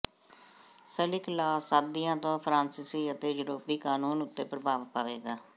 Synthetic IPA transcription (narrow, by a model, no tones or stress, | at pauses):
səlɪklaːsaːd̪ɪjãːt̪õːpʰɾãːnsɪsiːət̪eːjʊɾoːpiːkaːnuːnʊt̪ːeːpɾəbaːʋpaːʋeːɡaː